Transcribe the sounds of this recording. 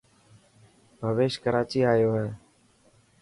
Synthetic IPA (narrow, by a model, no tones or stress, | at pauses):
bʱəʋeːʃkəɾaːt͡ʃiːaːjoːɦɛː